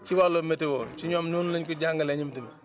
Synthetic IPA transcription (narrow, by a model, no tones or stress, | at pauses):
t͡ʃɪwalometɪwot͡ʃiɲɔmnunlɪɲkud͡ʒaŋɡəlɛɲimtim